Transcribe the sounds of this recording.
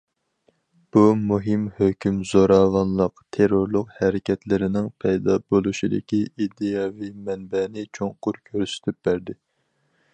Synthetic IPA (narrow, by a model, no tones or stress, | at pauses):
b̥umuɦɪmhøkʲymz̥oɾɑːvɑnlˠəqt̪ʰeɾoɾlˠʊqhɛɾɪkʲʰɛt̪lɪɾɪnɪŋpʰɛjd̪ɑbolˠuʃid̪ɪ̰kʲiʔid̪ejɑvimɛnbɛnɪt͡ʃʰoŋqʊɾkʲʰøɾsɪ̥t̪ʰɪp̚b̥æɾd̪ɪ